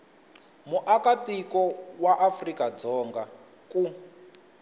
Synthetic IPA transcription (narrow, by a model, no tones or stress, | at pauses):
muʔakatikɔwaʔafrikad͡zɔːŋɡa | ku